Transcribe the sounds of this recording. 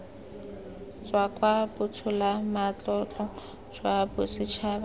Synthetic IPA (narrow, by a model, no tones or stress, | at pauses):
t͡swakʼwabʊtʰʊlamat͡ɬʼɔt͡ɬɔ | t͡swabʊsit͡ʃʰab